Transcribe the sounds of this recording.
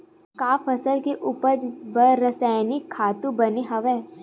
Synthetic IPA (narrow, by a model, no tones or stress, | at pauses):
kaːfʰɐsəlkeʔupəd͡ʒbəɾəsaːɪnikʰːaːt̪ũbɐneɦɐʋɛː